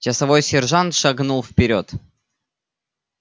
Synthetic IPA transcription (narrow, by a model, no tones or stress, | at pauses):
t͡ɕɪsɐvo̞jsʲɪrʐant̪ʂɐɡnulˠfpʲɪɾʲot̪